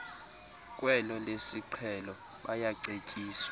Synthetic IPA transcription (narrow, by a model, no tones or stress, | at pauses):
k̬ʼwɛlɔlesiǃʰɛlɔ | ɓajaǀekʼiːswa